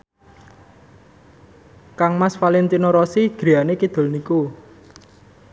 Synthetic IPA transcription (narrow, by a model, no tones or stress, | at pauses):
kaŋmasfalint̪inoɾɔsiɡ̥ɾijanekid̪̥o̤lniku